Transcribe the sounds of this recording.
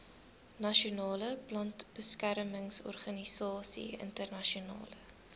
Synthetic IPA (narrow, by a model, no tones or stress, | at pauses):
nɐʃiunɑːləplɐntb̥əskærməŋsɔ̰rχɐnisɑːsḭə̰ntərnɐʃiunɑ̰ːlə